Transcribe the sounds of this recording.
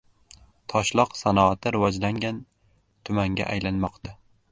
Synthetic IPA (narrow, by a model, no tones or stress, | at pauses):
t̪ʰɒʃlˠɒqsanɒat̪ʰɪɾɪvɒd͡ʒlaŋɡʲan | t̪ʰʊmaŋɡʲa̰ʔajlanmɒqt̪ʰa